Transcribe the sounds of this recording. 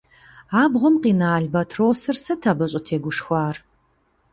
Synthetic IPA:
aːbʁʷɔmqiːnaːɮbɐtʰroːsɐrsɐtʰabɐɕʼɐtʰeːɡʷʊʂxʷaːr

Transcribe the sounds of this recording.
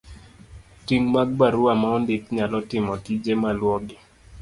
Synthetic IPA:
tiŋmaɡ̚baɾuamaɔndɪkɲalɔtɪmɔtid͡ʒemalwɔɡɪ

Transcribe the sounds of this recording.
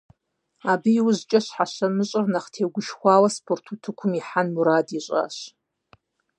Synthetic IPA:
aːbɨiwʊʑt͡ʃʼɐɕħaʃɐmɨɕʼɨrnɐχtʰeːɡʷʊʃxʷɑːwɐspʰortʰutʰɨkʷʰʊmiħanmuɾaːdiɕʼa̰ːɕ

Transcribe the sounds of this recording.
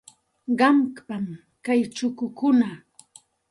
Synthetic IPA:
ɢɑmkpam | kajt͡ʃʊkʊkʊna

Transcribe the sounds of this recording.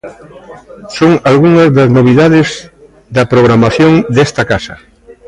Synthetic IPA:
soŋalɣuŋɐzðɐznoβ̞iðaðɪz | ðɐpɾoɣ̞ɾamaθjoŋd̪est̪ɐkasɐ

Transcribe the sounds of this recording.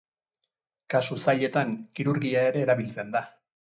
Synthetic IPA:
kasusaʎe̞t̪aŋkiɾuɾɣiae̞ɾe̞ːɾaβilt͡send̪a

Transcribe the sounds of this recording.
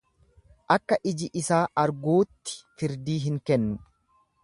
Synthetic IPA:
ʔɐkːɐʔɪd͡ʒɪʔɪsaːʔɐɾɡuːt̪ːɪ̥fɪɾd̪iːɦɪŋkɛnːʊ

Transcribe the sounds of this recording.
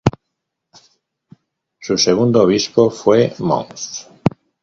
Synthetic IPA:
suseɣ̞und̪ooβ̞ispofwemõ̰ŋθ

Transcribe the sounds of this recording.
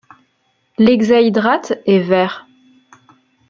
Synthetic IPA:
lɛɡzajid̪ʁat̪ɛvɛːʁ

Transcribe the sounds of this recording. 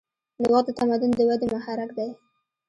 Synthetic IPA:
lɪwɑd̪ət̪amad̪ʊnd̪əwad̪emʊhaɾakd̪aj

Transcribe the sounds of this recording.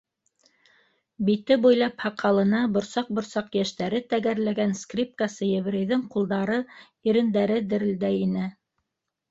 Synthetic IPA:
bit̪ɘbujlˠɑphɑqːɑlˠɤ̆nɑbŏɾsɑq̚bŏɾsɑqjæʃt̪æɾɘt̪æɡæɾlæɡænskrʲip̚kasɤjɘ̆β̆ɾɘ̆jðɘŋqulˠd̪ɑɾɤ | iɾɘ̆nd̪æɾɘd̪ɘ̆ɾɘ̆ld̪æjinɘ

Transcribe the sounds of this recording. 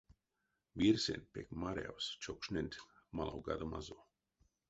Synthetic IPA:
biɾsḛnpekmaɾ̰a̰wst͡ʃokʃnent̪malawɡa̰d̪oma̰zo

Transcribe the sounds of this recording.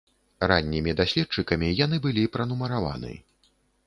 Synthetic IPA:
ranʲːimʲid̪asʲlʲɛt̪̚t͡ʂɨkɐmʲijanɨbɨlʲipɾɐnumɐɾava̰nɨ̰

